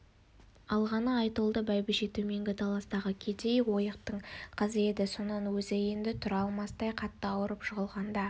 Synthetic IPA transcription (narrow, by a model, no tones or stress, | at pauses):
ɑlˠʁɑnəɑjt̪əlˠd̪əbæjbɪʃet̪ɵme̞ŋɡʲɪt̪ʰɑlˠɑst̪ɑʁəkʲʰe̞d̪e̞jwo̞jəqt̪əɴqʰəze̞d̪ɪso̞nɑnwɵzɪjend̪ɪt̪ʰʊɾɑlˠmɑst̪ɑjqʰɑt̪ːəɑwəɾəpʃʊʁəlˠʁɑnd̪ɑ